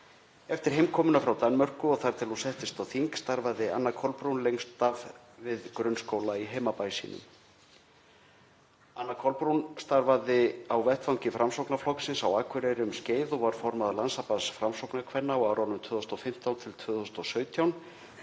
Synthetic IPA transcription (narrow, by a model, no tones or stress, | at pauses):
ɛft̪ɪɾ̥ɦejmkʰɔːmʏnafɾawt̪anmœr̥kʏɔɣθaɾ̥t̪ʰɪlhunsɛht̪ɪst̪awθiŋkst̪aɾvaðɪa̰nːakʰɔlpɾunlejŋst̪av | vɪðkɾʏnskoːwlaiɦejmapajsḭːnʏ̰m | anːakʰɔlpɾunst̪aɾvaðɪawvɛht̪fawɲcɪfɾamsowknaflɔksɪnsawaːkʰvʏɾɛɾɪʏmsceːjðʊvaɾ̥fɔɾmaðalansapaðsfɾamsowknakʰvɛnːaɔɣaːwɾawnʏmt̪ʰvʏːðʏst̪ɔfɪm̥t̪awnt̪ʰɪlt̪ʰvʏːðʏst̪ɔsœːɥt̪ʰjawn